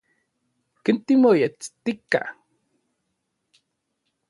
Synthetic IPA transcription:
kint̪imojet͡st̪ika̰

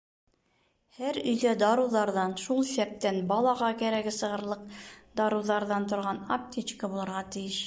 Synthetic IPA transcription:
hæɾɵ̆jdæd̪ɑɾuðɑɾðɑnʃulˠsæp̚t̪ænbɒlˠɑʁɑkæɾæɡɘsɤ̆ʁɤ̆ɾlˠɤqd̪ɑɾuðɑɾðɑnt̪ŏɾʁɑnɐp̚t̪ʲit͡ɕkəbulˠɤ̆ɾʁɑt̪ɘ̆jɘʃ

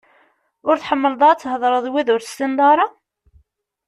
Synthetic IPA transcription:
ʊɾθħəmːəld̪ˤɑt͡sːɦəðˤɾˤəðˤwiðʊɾθst̪ind̪ˤɑɾˤɑ

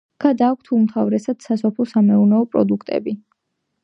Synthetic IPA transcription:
ɡ̥ad̪aːk̚ʷʰt̪ʰumt̪ʰavɾɛsad̪̥sasɔpʰlˠɔsamɛunɛɔpʼɾɔ̰d̪ukʰt̪ʼɛ̰bi

